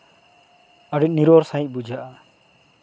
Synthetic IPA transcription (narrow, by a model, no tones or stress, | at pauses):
əɖiniɾoɾsãĩc̚ˀbud͡ʒʱaʔa